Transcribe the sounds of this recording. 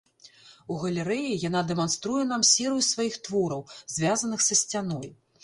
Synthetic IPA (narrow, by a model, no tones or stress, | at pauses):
uɣɐlʲɛɾɛjijan̪ad̪ɛmanst̪ɾujɛn̪amsʲɛɾɨjusvajixt̪vɔɾɐwzʲvʲazɐnɨxsɐsʲt͡sʲanɔj